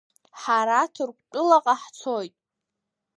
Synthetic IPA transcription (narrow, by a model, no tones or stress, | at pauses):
ħaɾatʰɨrkʷʼt͡pʼʊlaqʼaħt͡sʰojtʼ